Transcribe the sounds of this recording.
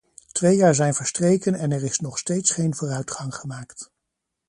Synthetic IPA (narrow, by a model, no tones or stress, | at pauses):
tʋejaːɹzɛjnvəɹstrejkənɛnɛɹɪsnɔχstejtsχejnvʊːrœɥtχɑŋχəmaːkt